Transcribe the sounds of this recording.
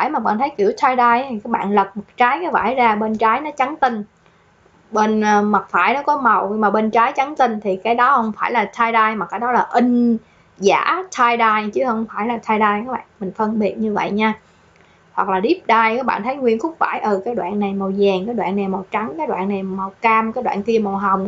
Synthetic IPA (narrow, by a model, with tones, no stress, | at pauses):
aː˧˩jmaː˨˩k̚ɓa̰ː˧˨nt̪ʰə˨˦jki˧˩əwt̪ʰaː˧jɗaː˧jt̪ʰi˨˩kaː˨˦˥k̚ɓa̰ː˧˨nlə˨˩t̚ma˨˩k̚t͡ɕaː˨˦jkaː˨˦jva̰ː˧˩jzaː˧ɓe˧nt͡ɕaː˨˦jnɔ˨˦t͡ɕa˨˦ŋt̪ï˧ŋ | ɓe˧nː˧ma˨˩t̚faː˧˩jnɔ˨˦kɔ˨˦mə˨˩wmaː˨˩ɓe˧nt͡ɕaː˨˦jt͡ɕa˨˦ŋt̪ï˧ŋt̪ʰi˨˩kaː˨˦jɗɔ˨˦hə˧wŋ͡mfaː˧˩jlaː˨˩t̪ʰaː˧jɗaː˧jmaː˨˩kaː˨˦˥jɗɔ˨˦laː˨˩ʔï˧ŋ̟ | za̰ː˧˥t̪ʰaː˧jɗaː˧jt͡ɕɨ˨˦hə˧wŋ͡mfaː˧˩jlaː˨˩t̪ʰaː˧jɗaː˧jkaː˨˦˥ɓa̰ː˧˨nm˨˩ŋ̟fə˧nɓi˨˩ət̚ɲɨ˧və̰˧˨jɲaː˧ | hwa˨˩k̚laː˨˩ɗi˦˥əp̚ɗaː˧jkaː˨˦˥k̚ɓa̰ː˧˨nt̪ʰə˨˦jŋwi˧ənxʊ˨˦˥wŋ͡m̚fa̰ː˧˩jʔəː˨˩kaː˨˦jɗwa̰ː˧˨nːa˨˩jmə˨˩wzɛː˨˩ŋkaː˨˦jɗwa̰ː˧˨nːa˨˩jma˨˩wt͡ɕa˨˦ŋkaː˨˦˥jɗwa̰ː˧˨nːa˨˩jma˨˩wkaː˧mkaː˨˦˥jɗwa̰ː˧˨nk̪i˧əma˨˩wɦə˨˩wŋ͡m